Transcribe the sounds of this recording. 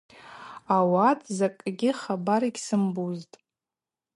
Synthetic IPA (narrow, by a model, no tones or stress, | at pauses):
awatʰʼzakʼɡʲɪχabaɾiɡʲsɨmbuztʼ